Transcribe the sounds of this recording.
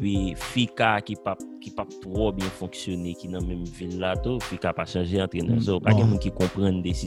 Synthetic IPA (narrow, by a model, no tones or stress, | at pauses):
pɥifikakipap̚kipap̚t̪ʁobjɛ̃fɔ̃ksjonekinɐ̃mɛ̃mvilːat̪ufikapaʃɐ̃ʒeɐ̃t̪ɣenə̰̃zopaɡɛ̃mũnkikɔ̃pɣɐ̃nd̪esi